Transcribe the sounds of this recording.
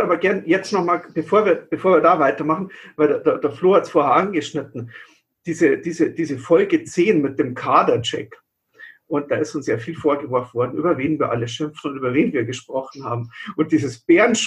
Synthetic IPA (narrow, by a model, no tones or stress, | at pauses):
aːbɐɡɛɐnjɛt͡stnɔχmaːlb̥əfoːɐviːɐb̥əfoːɐviːɐdaːvaɪtɐmaχn̩vaɪlddeɐdːɐfloːhatsfoːɐhɛɐʔanɡəʃnɪtn̩ | d̥iːzəd̥iːzəd̥iːzəfɔlɡət͡seːnmɪt̚d̥eːmkʰaːdɐt͡ʃɛ̰k | ʔʊnt̚d̥aːɪstʊnsjafiːlfoːɐɡəvɔɐfnvɔɐdn̩ʔy̰ːbɐveːnviːɐʔa̰ləʃɪmfn̩ʊntʔyːbɐveːnviːɐɡəʃpʁ̥ɔχn̩haːbm̩ʔʊnt̚d̥iːzəsb̥eːɐnʃ